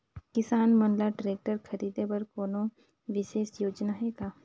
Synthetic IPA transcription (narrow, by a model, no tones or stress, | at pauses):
kɪsaːnmɐnlaʈɾeːk̚ʈəɾkʰɐɾiːd̪ebɐɾkoːnõ | ʋɪʃeːʃjoːd͡ʒnaɦɛːɡaː